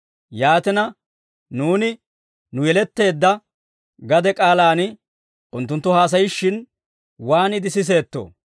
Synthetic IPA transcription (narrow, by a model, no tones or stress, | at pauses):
jaːt̪ɛnɐ | nuːnɪ | nʊjɛlɛt̪ːe̞ːd̪ːɐ | ɡɐd̪ɛkʼaːlaːnɪ | ʔʊnt̪ːʊnt̪ːʊhaːs̬ɐjɪʃːɪn | waːnɪd̪ɪsɪs̬e̞ːt̪ːo̰